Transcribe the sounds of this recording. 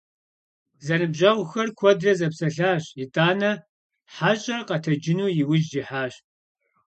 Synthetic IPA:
zɐnɨbʑɐwʷxɐrkʷʰɔdrɐzɐpsɐɬaːɕɪtʼaːnɐ | ħaɕʼɐrqɐtʰɐd͡ʒɪnuːjɪwʊd͡ʒdiħaːɕ

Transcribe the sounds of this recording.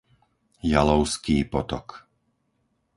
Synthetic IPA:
jalɔʊskiːpɔt̪ɔk

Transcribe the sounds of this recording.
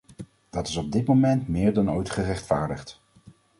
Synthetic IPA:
d̥ɑtɪ̥sɔb̚dɪtmomɛntmɪːɹdɑnojtχərɛχtfaːɹdəχt

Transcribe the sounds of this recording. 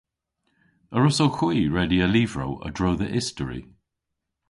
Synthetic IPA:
əɹʊsowxwiːɹɛdiəlivɹo̰wə̰dɹowðəʔɪstəɹḭ

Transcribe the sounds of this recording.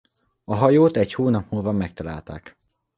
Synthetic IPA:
ɒɦɒjoːt̪ɛchoːnɒpmuːlvɒmɛk̚t̪ɒla̰ːlt̪a̰ːk

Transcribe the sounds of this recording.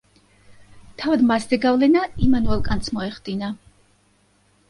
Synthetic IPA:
t̪ʰavad̪maszɛɡavlɛnaimanuɛlˠkʼant̪smɔɛχd̪ina

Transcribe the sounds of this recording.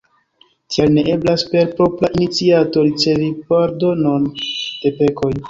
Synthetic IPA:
tialne̞ʔe̞blaspe̞ɾpɾo̞pɾaʔinit͡siato̞ɾit͡se̞vipaɾdo̞no̞nd̥e̞pe̞ko̞j

